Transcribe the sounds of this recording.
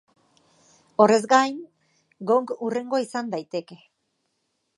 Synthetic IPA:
o̞re̞zɡajn | ɡo̞ŋɡure̞ŋɡo̞isand̪ajt̪e̞ke̞

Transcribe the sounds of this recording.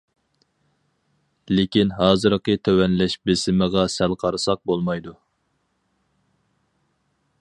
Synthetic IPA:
lekʲinɦɑːzɨɾqət̪ʰøwɛnlɛʃbɪsɪməʁɑsælˠqʰɑɾɨsɑq̚bolˠmɑjd̪u

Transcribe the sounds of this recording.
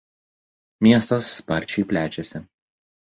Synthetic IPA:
mʲiɛst̪ɐsːpɐɾʲt͡ʃʲɛɪpʲlʲæːt͡ʃʲɛsʲɪ

